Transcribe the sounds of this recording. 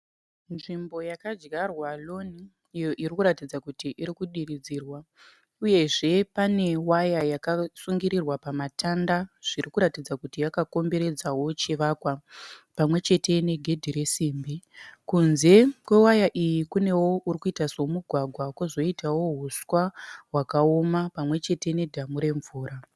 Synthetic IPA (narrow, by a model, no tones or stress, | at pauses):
nʐimbo̞jakad͡ʒɡarwalo̞niː | jo̞ʔirikuɾatid͡zakutiʔiɾikuɗirid͡ziːrwa | uje̞ʐe̞pane̞wajajakasuŋɡiɾirwapamatandaʐ̥irikuɾatid͡zakutijakako̞mbe̞ɾe̞d͡zawo̞t͡ʃiʋaːkwapamwe̞t͡ʃe̞te̞ne̞ɡʱe̞dʱiɾe̞siːmbikunze̞kwe̞wajaʔijikune̞wo̞ʔurikuitaso̞muɡʱwaɡʱwakwozo̞itawo̞ɦuswaɦwakao̞mapamwe̞t͡ʃe̞te̞ne̞dʱamuɾe̞ɱvuːɾa